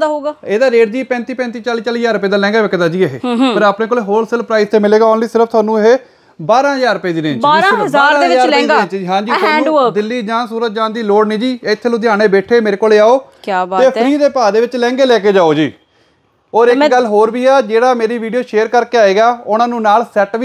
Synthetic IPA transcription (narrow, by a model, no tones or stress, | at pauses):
d̪ɦoːɡaːeːd̪aːɾeːʈd̪iːpɛ̃ːnt̪iːpɛ̃nt̪iːt͡ʃaːliːt͡ʃaːliːd͡ʒaːɾʊpeːd̪aːlɛ̃ːŋɡaːʋɪkːd̪aːd͡ʒiːeɦḛːpəɾaːpnẽːkoːleːɦoːlsɪləpɾaːɪst̪eːmɪleːɡaːɔːnliːsɪɾəpʰt̪ʊwaːnũːɦe | baːɾãːɦəzaːɾʊpjeːd̪iːɾẽːt͡ʃaːɾazaːɾɾãːɦɪaːeːdieːt͡ʃiːɦãːd͡ʒiːt̪aːũːd̪ɪlːiːd͡ʒãːnsuːɾət̪̚d͡ʒãːnd̪iːloːɽniːd͡ʒiːeɪt̪ʰːeːlõd̪jaːɽ̃eːbɛːʈʰeːmeːɾeːkoːleːaːoːkjaːbat̪eːpəɾiːd̪eːpaːd̪eːʋɪt͡ʃlɛ̃ːŋɡeːlɛːkeːd͡ʒaːoːd͡ʒiː | oːɾɪkɡəlːɦoːɾʋiːaːd͡ʒeːɽaːmeːɾiːʋiːɖijoːʃeːəɾkəɾkeːaːeːɡaːʊnãːnũːnaːlsɛːʈʋi